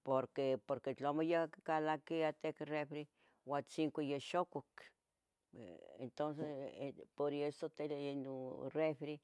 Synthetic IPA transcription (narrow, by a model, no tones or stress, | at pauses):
poɾkepoɾket͡ɬomojakalakiat̪ekrefɾe | wat͡siŋkʷijeʃokok | ḛnt̪ons̬espoɾesot̪elenorefɾe